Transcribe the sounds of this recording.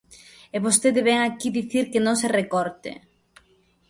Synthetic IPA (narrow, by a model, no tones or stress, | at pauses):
eβost̪eðɪβɛŋakiðiθiɾkenõŋserekɔɾt̪ɪ̰